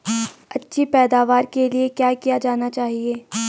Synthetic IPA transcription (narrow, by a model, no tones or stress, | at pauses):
ɐtːʃʰipɛːd̪aːʋaːɾkeliekjaːkijad͡ʒaːnat͡ʃaːɦieː